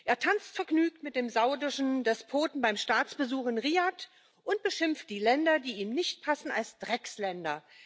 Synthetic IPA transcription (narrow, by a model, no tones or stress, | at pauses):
ʔeːɐtʰant͡stfɛɐɡnyːk̚tmɪt̚d̥eːmzaʊdɪʃn̩dɛspʰoːtn̩baɪmʃtaːt͡sb̥əzuːχɪnʁiːat | ʔʊnt̚b̥əʃɪmft̚d̥iːlɛndɐdiːiːmnɪçt̚pʰasn̩a̰lsd̥ʁɛkslɛndɐ̰